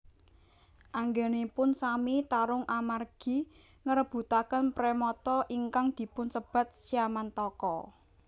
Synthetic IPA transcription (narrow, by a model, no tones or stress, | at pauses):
ʔaŋɡenepʊnsamit̪aɾʊŋʔamarɡ̥i̤ | ŋəɾəb̥ṳt̪akənpɾemɔt̪ɔʔiŋkaŋd̪̥i̤pʊnsəb̥a̤t̪̚siamant̪ɔkɔ